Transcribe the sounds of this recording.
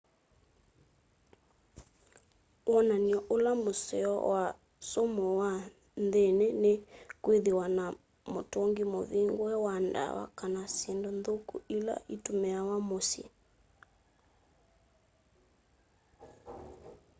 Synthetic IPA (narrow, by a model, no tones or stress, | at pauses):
wʔɔnaniɔʔolamosɛɔ̰wa | somɔwa | nðenɛnekweðewana | motoŋɡimoðeŋɡwɛwanda̰wa̰kanasjendonðokṵila̰ʔitomɛawamosḭ